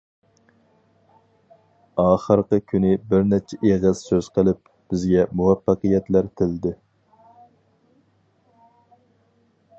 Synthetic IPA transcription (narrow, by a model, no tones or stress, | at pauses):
ɑːχəɾqəkʲʰynɪbɪɾnɛt͡ʃʰɛʔeʁɨz̥søz̥qʰəlˠɪp̚ | b̥ɪzɡʲɛmuwɛpːɑqijɛt̪læɾt̪ʰɪld̪ɪ